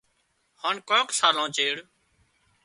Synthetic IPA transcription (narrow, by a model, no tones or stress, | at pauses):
haːnkõːksaːlãːt͡ʃeːɽ